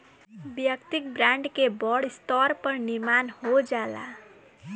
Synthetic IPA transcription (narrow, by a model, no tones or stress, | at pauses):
bjʌkt̪ik̚bɾaɳɖkebʌɽst̪ʌɾpʌrniɾmanhod͡zala̰